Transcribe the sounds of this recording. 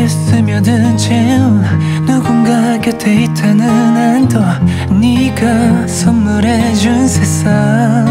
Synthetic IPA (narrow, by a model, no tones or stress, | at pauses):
esɯmjʌdɯnt͡ɕewa | nuɡɯnɡaɡet̪ʰeit̪ʰanɯnandʌ | niɡasʌmːuɾed͡ʑunsʰesa